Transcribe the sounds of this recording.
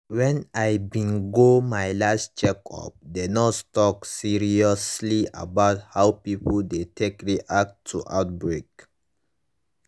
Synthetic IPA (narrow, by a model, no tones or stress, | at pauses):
wɛ̃najbĩnɡomajlast͡ʃɛkʰɔ̰p̚denɔttɔksiɹiɔslia̰baʊthawpipldetʰekɹiʔak̚tʰːuʔa̰ʊt̚bɹek